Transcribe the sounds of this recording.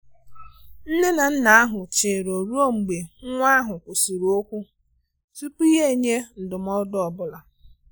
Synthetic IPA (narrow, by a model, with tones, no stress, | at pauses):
n̩˦ne˦na˨n̩˦na˨a˦ɦʊ˨t͡ʃe˨ɾo˨ɾu˦o˦ŋ͡m̩˨ɡ͡be˨ŋ̩˦ŋʷ˦a˦ɦʊ˨kʷo˨su˨ɾu˨o˦kʷu˦ | tu˦pu˦i˦ɦe˦˨ɲe˦n̩˨dʊ˨m̩˦ɔ˦dɔ˨bʊ˦la˨